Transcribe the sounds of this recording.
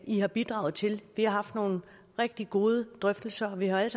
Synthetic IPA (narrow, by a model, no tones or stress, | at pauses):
ihɑ̈b̥id̥ʁɑ̈ʊt͡sʰe̝lʋihɑ̈ɦɑ̈fd̥no̝ːn̩ | ʁɛɡ̥̚d̥iɡ̥o̝ːð̞ˠəd̥ʁœfd̥l̩sɐɒ̽ʋihɑ̈æl̰s